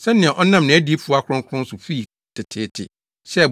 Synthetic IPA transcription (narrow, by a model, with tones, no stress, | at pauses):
sɛ̃˦nːɪ̃˨ɛ̃˨ʔɔ˦nã˦m˨nɪ̃˨æ˦di˦e˦fu˦a˦kʰʊ˦ʊ̃˦ŋkʰʊ̃˦n̩˦sʊ˨fi˦˨ | tʰɪ˨tʰɪː˦tʰɪ̰˨ | ɕɛ˦˨